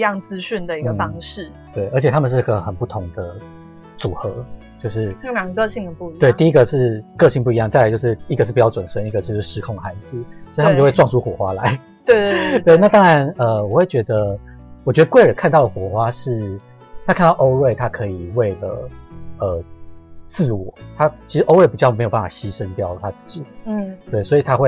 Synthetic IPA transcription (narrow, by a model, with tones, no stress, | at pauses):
jɑ˥˩ŋt͡sɹ̩˥ɕy˥˩nd̪ə˩i˧ɡə˥˩fɑ˥ŋʂɻ̩˥˩ | t̪we˥˩ɪʔə˧˥t͡ɕʰɛ˨t̪ʰa˥mə˨nʂɻ̩˥˩i˧˥ɡə˧˩xə˨˩npu˥˩t̪ʰʊ˧˥ŋd̪ə˧˩ | t͡su˨˩xɤ˧˦ | t͡ɕjo˥˧ʊʂɻ̩˥˩˥a˨˩kɤ˥˧ɕi˥˩ŋd̪ə˩pu˥˧i˦t̪we˥˩ɪt̪i˥˧i˦˥ɡə˨ʂɻ̩˥˩kɤ˥˧ɕi˥˧ŋpu˥˩i˧jɑ˥˩ŋt͡sa˥˩la˧˥t͡ɕjʂɻ̩˥˩i˧˥ɡə˩ʂɻ̩˥˩pi˨t͡ɕɑ˥˩wa˨˩nʂə˦˥ni˥˧ɡə˨˩t͡ɕjo˥˧ʊʂɻ̩˥˩ʂɻ̩˧kʰʊ˥˩ŋxa˧˥ɪd͡z̩˩o˥˧˥m˨t͡ɕo˥˧we˥˧wɑ˥˧ŋʂu˥xwɔ˨˩xwa˦˥la˧˦ɪ | t̪we˥˩t̪we˥˧ɪna˥˩t̪ɑ˥ŋɻa˧˦nə˨wɔ˨˩xwe˥˩ɪt͡ɕɥɛ˧˥d̪ə˧ | wɔ˨˩t͡ɕɥɛ˧˥d̪ə˧kwe˥ɪɻə˨˦nkʰa˥˧nt̪ɑ˥˩ə˩xwɔ˨˩xwa˦ʂɻ̩˥˩ | t̪ʰa˥kʰa˥˧nt̪ɑ˥˩ʊʔo˥ʊɻwe˥˧ɪt̪ʰa˥kʰɤ˧˦i˨˩we˥˩ɪlə̰˩ə˩t͡sɹ̩˥˧wɔ˨˩˦t̪ʰa˦˥t͡ɕʰi˧˥ʂɻ̩˧˥ʔo˥ʊwe˥˩ɪpi˨˩t͡ɕɑ˥˩ʊme˧˥jpa˥˩fa˨˩ɕi˦˥ʂə˦nt̪jɑ˥˨ʊt̪ʰa˦t͡sɹ̩̥˥˩t͡ɕi˨˩˥t̪we˥˩ɪswɔ˧˥i˨˩t̪ʰa˦˥xwe˥˩ɪ